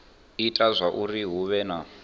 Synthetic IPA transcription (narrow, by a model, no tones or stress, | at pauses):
itʼazʷaʔuriɦuβɛna